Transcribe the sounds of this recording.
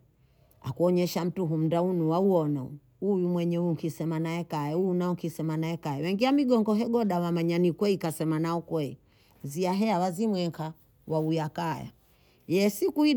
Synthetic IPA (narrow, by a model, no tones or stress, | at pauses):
a̰kuɔɲɛʃam̩tuɦum̩daunuwauɔnɔ | ujumwɛɲɛuŋkisɛmanaɛkaɛujunaɔŋkisɛmanaɛkaɛwɛŋɡiamiɡɔŋɡɔɦɛɡɔɗawamaɲanikwɛikasɛmanaɔkwɛi | ziaɦɛawazimwɛŋkʰa | waujakaja̰ | jɛsikui